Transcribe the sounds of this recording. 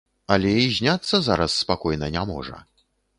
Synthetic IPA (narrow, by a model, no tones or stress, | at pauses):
ɐlʲɛizʲnʲat̪sːɐzaɾɐsːpakɔjnɐnʲamɔ̰ʐɐ̰